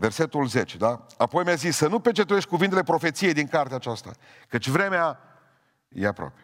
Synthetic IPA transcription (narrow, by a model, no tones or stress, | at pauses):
ve̞rse̞t̪ulze̞t͡ʃed̪aapo̞jmjazisːənupet͡ʃe̞t̪ɾuje̞ʃt̪̚ʲkuvint̪ele̞pɾo̞fe̞t̪sije̞jd̪iŋkart̪eaːt͡ʃast̪a̰ | kət͡ʃʲvɾe̞mea | jeapɾoa̰pe̥